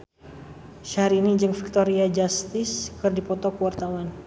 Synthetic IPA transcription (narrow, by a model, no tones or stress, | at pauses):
ʃaɾːnid͡ʒɨŋfi̥k̚t̪oɾiad͡ʒast̪ɪskɨrdipɔt̪ɔkəwart̪awan